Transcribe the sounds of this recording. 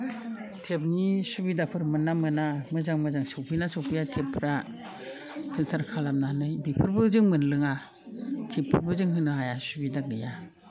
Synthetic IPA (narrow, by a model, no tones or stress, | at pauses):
tʰep̚nisubidapʰɯɾmɯnːamɯnamɯzaŋmɯzaŋsɯwpʰinasɯwpʰijatʰepʰɾa | pʰiltʰaɾkʰalamnanɯjbipʰɯɾbɯzɯŋmɯnlɯŋa | tʰepʰːɯɾbɯzɯŋɦɯnɯɦajasubidaɡɯja